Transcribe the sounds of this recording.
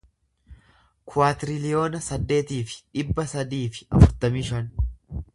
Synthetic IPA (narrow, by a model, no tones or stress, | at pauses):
kʰʊaːt̪ɪɾɪlɪjo̞ːnɐsɐd̪ːe̞ːt̪iːfɪ̥ᶑɪbːɐsɐd̪iːfɪ̥ʔɐfʊɾt̪ɐmiːʃɐn